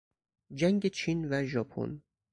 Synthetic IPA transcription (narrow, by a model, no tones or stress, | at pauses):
d͡ʒæŋɡet͡ʃʰiːnvæʒɒːpʰo̰n